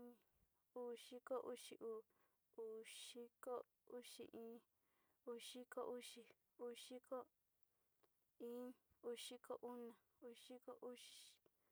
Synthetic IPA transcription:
u˦ʃi˦ko˦ʔu˦ʃi˧ʔuː˧˨ | u˨ʃi˦ko˦ | u˦ʃḭ˧˨ʔĩː˦ | u˧˨ʃi˦ko˦ʔu˦ʃi˧ | u˧ʃi˦ko˦ | ĩ˦u˧ʃi˦ko˦˨ʔu˦nã˨ | u˧ʃi˦ko˦ʔu˦ʃ

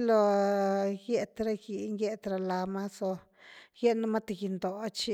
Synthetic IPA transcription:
lo˧ | ɡje˧t̪ɾa˦ɡi˧˨ŋɡe˦t̪ɾa˧la˧ma˦so˧ | je˦na˦ma˦t̪a˨ɡi˧˨nd̪o˨a˦t͡ʃi˧

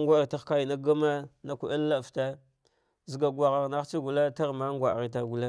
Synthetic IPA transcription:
ŋɡʷa˦ɣi˨ta˦xka˦ji˨na˦ɡa˦ma˦na˦kʷu˨ʔi˦lːa˦˨fta˦ | zi˨ɡa˨ɡʷwa˨ɣa˨ɣna˦t͡ʃi˦ɡu˨la˦ta˦ɣma˦ŋɡʷa˨ɣi˨t̬a˨ɡu˨la˦

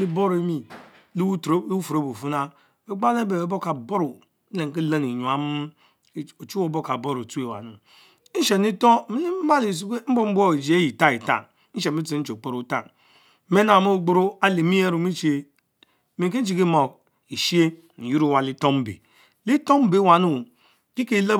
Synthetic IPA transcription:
li˦bo˦ɾe˦mi˨ | lu˦tfu˨ɾo˦bu˨fu˦na˦ | e˦ɡ͡ba˦le˦be˨e˨˦bo˦ka˨bo˦ɾu˨˦ | le˨ŋ˨ki˦la˦ni˨ɲu˨a˨m˦ | o˨t͡ʃu˦o˦bo˦ka˨bo˦ɾo˨tu˦e˨wa̰˨nu˨˦ | n̩˦ʃe˨ni˦to˦mi˦li˦ba˦li˨s̬u˦ke˦m̩˦bo˦m̩˦bʷo˦i˨d͡ʒi˨˦e˦ji˨ta˦i˨ta̰˦˨n˦ | n̩˦ʃe˨mi˦ti˦t͡ʃo˨k͡po˦ɾo˦ta̰˦˨n˦ | me˦na˨mo˦˨ɡ͡bu˦ɾu˦a˦le˨mi˦je˦ɾu˨mi˦t͡ʃi˦e˨˦ | me˨ke˦n̩˦t͡ʃi˨ki˦mo˨k̚ | i˨ʃi˦e˦ | n̩˨ju˦ɾu˦wa˨li˦to˦m˦bḛ˨ | li˦to˦m˦be˨˦˨wa˨nu˦˨ | ki˦ke˦la˦

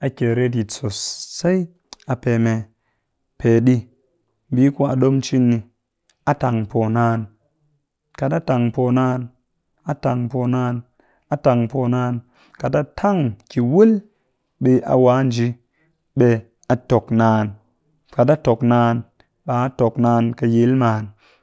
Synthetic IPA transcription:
a˨kʲe˨ɾe˦t̬i˨t͡so˨sːa˦i˦ | a˨pe˨me˧ | pʰe˨ɗi˧˨ | bi˦ku˦a˨ɗo˦mt͡ʃi˦nːi˧ | a˨ta˨ŋpo˨naː˧˦n | ka˨ta˦ta˨ŋpo˨naː˧n | a˨ta˨ŋpo˨naː˧n | a˨ta˨ŋpo˨naː˧n | ka˨ta˦tʰa˦˨ŋki˨wu˦l | ɓe˧ʔa̰˨waː˨˦n˨d͡ʒi˨˦ | ɓe˧ | a˨to˨knaː˨˧n | ka˨t̬a˦to˨knaː˧n | ɓa˨a˦to˨knaː˧nkə˧je˨˦lmaː˨n

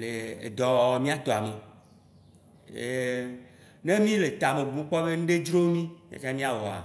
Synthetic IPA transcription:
le˨ḛ˨d̪ɔ˨mĩ˦a˨t̪o˨a˨me˨ | e˨ | ne˦mĩ˦le˨t̪a˨me˨bu˨mẽ˦k͡pɔ˦be˦ñ̩˦ɖe˦d͡ʒɾo˦mĩ˦mĩ˦a̰˦t͡ʃa˦mĩ˦a˦wɔ˨a̰˨

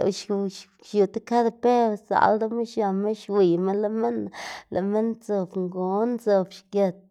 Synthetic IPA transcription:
ʃ | ʃju˨t̪e˦ka˦d̪e˨pe˦ɾsa̰˨ld̪a˦me˦ʃja˨me˦ʃwi˨me˦nla˨me˦nla̰˨me˦nt͡so˨bŋɡo˨˦nt͡so˨bʃke˨t̪̚

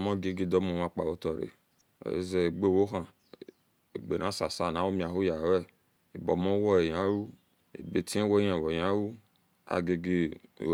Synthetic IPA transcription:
mɔ˦˨ɡe˦ɡe˦dɔ˦mõ˨wã˨k͡pa˨wo˦tɔ˨ɾḛ˨ | jḛ˦ze˨e˨ɡ͡be˦˨wo˦ɦã˨ | e˨ɡ͡be˨nã˨˦sa˨sa˨na˨˦wo˦mĩ˨a˨ɦo˦ja˨wɛ˦˨ | e˨bɔ˨mɔ̃˦wɔ˦e˨jã˦ɾu˦ | ḛ˨be˨ti˦e˦wo˦jã˨wo˨ja˦wu˦ | a̰˨ɡe˨ɡe˦˨

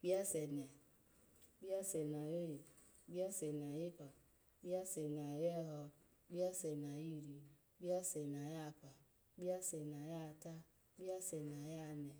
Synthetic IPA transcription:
ɡ͡bi˦a˦sɛ˨nɛ˨ | bi˦a˦sɛ˨na˨je˦˨ | bi˦a˦sɛ˨na˨ji˦pa˨ | bi˦a˦sɛ˨na˨jɛ˦ɦɔ˧ | ɡ͡bi˦a˦sɛ˨na˨ji˦ɾi˨ | ɡ͡ba˦sɛ˨na˨ja˦˨pa˨ | ɡ͡bi˦a˦sɛ˨na˨ja˦˨ta˦ | bi˦a˦sɛ˨na˨ja˦nɛ˨

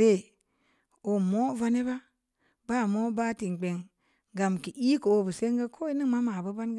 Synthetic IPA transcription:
ɾe˦˨ | o˨mo˦va˦ni˦ba˦ | ba˦˨mo˦ba˦ti˨ŋ˨k͡pe˨ŋ | ɡa˨mki˨ʔi˦ko˨wo˦˨bə˨se˦ŋɡe˦kʰo˦i˦ni˦ŋma˦ma˨bə˦ba˦nɡ

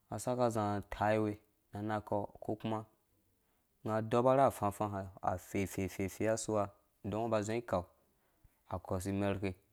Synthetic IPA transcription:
a˨sa˦ka˧zã˨tʰa˨˦i˦we˧ | na˨na˧kɔ˨ko˦ku˦ma˦ | ŋa˨do˦ba˦ɾa˦˨fã˧fã˧ɦa˨a̰˨fe˨fe˨fe˨fe˨˦a˦su˦wa˧ | dõ˦ŋ˦ba˧zẽ˦i˦ka˨w | a˨kɔ˨s̬i˧me˧ɾke˧

